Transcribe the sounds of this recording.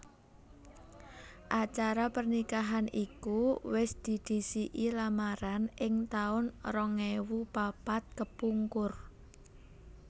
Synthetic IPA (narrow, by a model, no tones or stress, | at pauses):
ʔat͡ʃaɾapərnikaɦanʔikuwɪsd̪̥i̤d̪̥i̤siʔilamaɾanʔɪŋt̪aʊnrɔŋewupapat̪̚kəpuŋkʊr